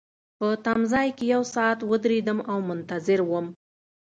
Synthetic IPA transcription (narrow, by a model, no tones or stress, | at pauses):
pət̪amzɑjkejawsɑːt̪wəd̪ɾed̪əmawmʊnt̪azɪɾwəm